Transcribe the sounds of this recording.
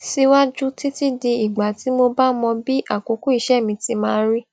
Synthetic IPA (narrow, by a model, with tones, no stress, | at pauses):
si˦wa˦d͡ʒu˦ti˦ti˦di˧i˨ɡ͡ba˨ti˨˦mo˧ba˦mɔ̃˧bi˦ʔa˦˨ko˨˦ku˦i˦˧˦ʃɛ˦˨mĩ˧ti˧˦mãː˦ɾi˦